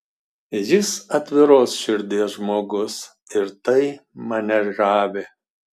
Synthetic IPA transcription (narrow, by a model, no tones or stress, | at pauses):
jɪsɐt̪ʲʋʲɪɾoːsʃʲɪɾʲd̪ʲeːsʒmoːɡʊs | ɪɾt̪ɐɪmɐnʲɛɾʒɑːʋʲe